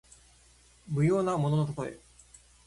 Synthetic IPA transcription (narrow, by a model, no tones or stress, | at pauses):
mɯ̟jo̞ːnamo̞no̞not̪at̪o̞ḛ